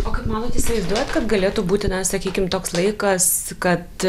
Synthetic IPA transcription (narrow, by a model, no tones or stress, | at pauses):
oːkɐɪpmɑːnoːt̪ɪsʲɪʋɐɪzd̪uɔjɛt̪kɐt̪ɡɐlʲeːt̪uːbuːt̪ʲɪnɐsɐkʲiːkʲɪmt̪oːkslˠɐɪkɐskɐt̪